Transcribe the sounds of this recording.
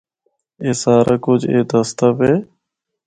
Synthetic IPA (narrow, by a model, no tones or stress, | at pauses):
eːsaːɾʔaːkʊd͡ʒʱḛːd̪əst̪əpɦeː